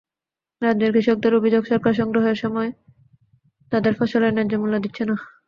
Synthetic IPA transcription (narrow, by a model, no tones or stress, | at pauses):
ɾadd͡ʑeɾkɾiʃok̚d̪eɾobid͡ʑoɡʃɔɾkaɾʃɔŋɡɾoɦeɾʃɔmɔe | t̪ad̪eɾfɔʃolenɛd͡ʑomulːad̪itːɕʰena